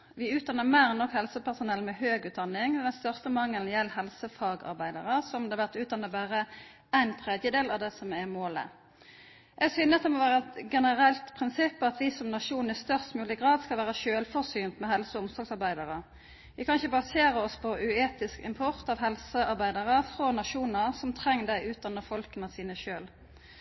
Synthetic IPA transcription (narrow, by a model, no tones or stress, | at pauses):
ʋɪʉːt̪̚d̪ɑnːəmæɪʁnɔkhɛlsəpæʁsʊnɛlmɛhøːɡʉːt̪̚d̪ɑnːɪŋd̪ɛnst̪œʁst̪əmɑŋːəlnjɛlːɦɛlsəfɑːɡɑ̰ʁbæɪd̪ɑʁəsɔmd̪ɛɑʋæʁt̪ʉːt̪d̪ɑnːəbæːʁə | æɪnt̪ʰɾɛd̪jəd̪eːlɑʋd̪ɛsɔmɛʁmoːlə̰ | ʔɛɡsyːnəɑt̪d̪ɛmɔʋæːʁəɛt̪ɡɛnəʁɛlt̪pʰʁɪnsɪpːɑt̪ʋɪsɔmnɑʃuːnɪst̪œʁst̪mʉːlɪɡʁɑːd̪skɑlʋæːʁəʃøːlfɔsyːnt̪mɛɦɛlsɔʊmsɔɡsɑʁbæɪd̪ɑʁə | ʋɪkʰɑnɪçəbɑseːɾəɔspʰɔʔʉeːt̪ɪskɪ̰mpʰɔʁt̪ɑʋɦɛlsəɑʁbæɪd̪ɑʁəfʁɔnɑʃuːnəʁsɔmt̪ʰʁɛŋːd̪æɪʉːt̪̚d̪ɑnːəfɔlkənəsiːnəʃøːl